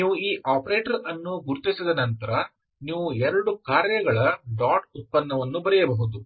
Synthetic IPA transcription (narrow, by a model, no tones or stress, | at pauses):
niːʋuiːʔaːpɐɾeːʈɐɾɐnːuɡuɾt̪isid̪ɐnɐnt̪ɐɾɐ | niːʋuɛɾɐɽukaːɾjɐɡɐɭɐɖaːʈut̪̚pɐnːɐʋɐnːubɐɾɛjɐbɐɦud̪u